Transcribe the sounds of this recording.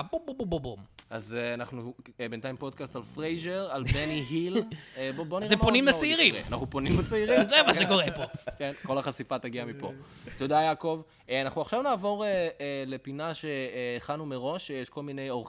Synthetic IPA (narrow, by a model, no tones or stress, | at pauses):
bobobobobomazanaχnubentaimpo̞dkastalfʁejʒeʁalbeniɦilboboniʁemponnimlat͡seiʁiḛa̰naχnuponimlet͡seiʁimzemaʃekoʁepokenko̞laχasifataɡiamipo̞̰ | todajakov | anaχnuaχʃavnaːvo̞ʁele̞pinaʃe̞ːχanumeʁo̞ʃjeʃko̞lminejoʁ